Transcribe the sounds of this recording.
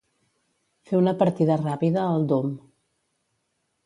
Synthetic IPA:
feunəpəɾt̪iðərapiðəːlˠd̪om

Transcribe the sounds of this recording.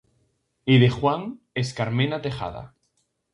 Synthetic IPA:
iðexwaŋ | eskaɾmenat̪eχa̰ða̰

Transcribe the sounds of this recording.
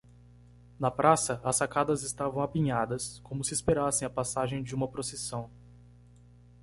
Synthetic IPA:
nɐpɾʔasɐɐsːakad̪ɐzɪst̪avɐ̃w̃apĩɲad̪ɐskõmʊsiespeɾasẽj̃ɐpasaʒẽj̃d͡ʒɪũmɐpɾosesɐ̃w̃

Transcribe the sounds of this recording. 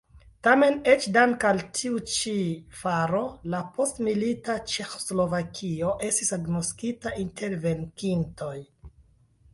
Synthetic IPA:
tame̞ne̞t͡ʃdaŋkaltʰiut͡ʃifaɾo̞lapo̞stmilitat͡ʃe̞xo̥slo̞vakʰio̞ʔe̞stisaɡnoskitaʔinte̞ɾve̞ŋkinto̞j

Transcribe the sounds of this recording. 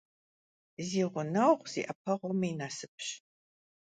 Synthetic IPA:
ziːʁʷʊnɐwʁz̥ḭʔɐp̚ʰɐʁʷɔmiːnasɨp̚ʰɕ

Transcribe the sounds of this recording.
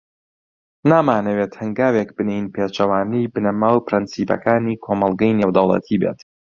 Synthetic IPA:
naːmaːnɐwet̪hɨŋɡaːwek̚bɨnejnpʰeːt͡ʃɐwaːnijbɨnɐmaːwpɨɾɨnsiːpɐ̰kaːniːkʰomɐlˠɡɐjneːwd̪ɐwlˠɐ̰t̪ʰiːbḛːt̪

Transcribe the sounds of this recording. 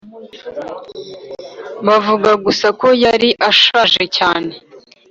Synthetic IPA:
βavuɡaɡusako̞jaɾiʔaʃaʒe̞caːne̞

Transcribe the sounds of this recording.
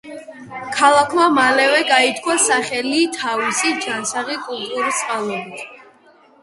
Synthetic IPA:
kʰalˠakʰmamalɛvɛɡait̪ʰkʰwasaχɛlit̪ʰavisid͡ʒansaʁikʼulˠt̪ʼuɾit̪sʼqʼalˠɔbit̪ʰ

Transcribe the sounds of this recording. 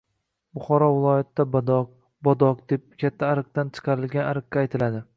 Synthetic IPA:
bʊχɒɾɒvɪlˠɒjat̪d̪a | bɒd̪ɒqd̪e̞p̚kʲʰat̪ʰːaːɾɨq̚t̪ant͡ʃʰɨ̥qʰɑɾɪlɡʲanaɾɨq̚ːʲaːjt̪ʰɪlad̪ɪ

